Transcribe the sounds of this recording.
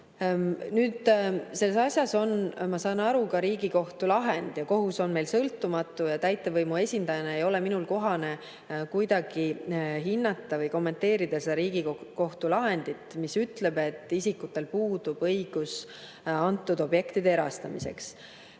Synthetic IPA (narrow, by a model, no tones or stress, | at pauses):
nyːd̪̥se̞lːesɑsʲjɑso̞nmɑsɑːnɑɾukɑɾiːɡiko̞ht̪ulɑɦe̞nd̪̥jɑko̞ɦuso̞nme̞jlsɤlt̪ːˑumɑt̪ːˑujɑt̪æjt̪ːˑe̞vɤjmue̞sʲind̪ɑjɑneejo̞le̞minulko̞ɦɑne̞ | kujd̪̥ɑɡ̥iɦinːɑt̪ːɑvɤjko̞mːe̞nt̪ːe̞ːɾid̪̥ɑsed̪̥ɑɾiːɡ̥ikko̞ht̪ulɑɦe̞nd̪̥it̪ˑmisyt̪ˑle̞be̞t̪ˑːisikːut̪ːˑe̞lpuːd̪̥ub̥ɤjɡ̥us | ɑnt̪ːˑud̪̥o̞bje̞kt̪id̪eeɾɑ̰st̪ɑmḭse̞̰ks